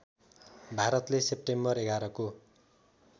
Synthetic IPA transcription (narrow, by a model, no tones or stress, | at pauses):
bʱaɾʌt̪lesep̚ʈembʌreɡaɾʌko